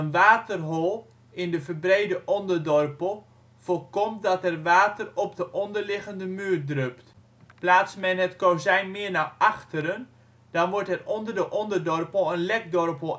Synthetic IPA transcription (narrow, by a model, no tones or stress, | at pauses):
ənʋaːtərɦolˠ | ɪndəfərbreːdəʔɔndərdɔrpəlˠ | folˠkɔm̚dɔtɛrʋaːtərɔp̚dəʔɔndərlɪɣəndəmyːrdrøpt | plaːsmɛnɦətkowzɛjnmɪəɹnaʔaxtəɾən | d̥ɔnʋʊɹtɛrɔndərdəʔɔndərdɔrpəlˠənlɛk̚dɔrpəlˠ